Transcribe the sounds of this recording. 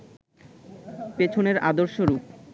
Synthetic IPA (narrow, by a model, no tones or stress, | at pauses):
pet͡ɕʰoneɾa̰d̪oɾʃoɾuk